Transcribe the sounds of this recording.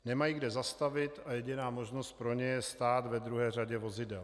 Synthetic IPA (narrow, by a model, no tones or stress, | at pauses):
nɛmajiːɡdɛzast̪avɪt̪ajɛɟɪnaːmo̞ʒno̞st̪̚pɾo̞ɲɛjɛst̪aːt̪vɛd̪ɾuɦɛːr̝aɟɛvo̞zɪdɛl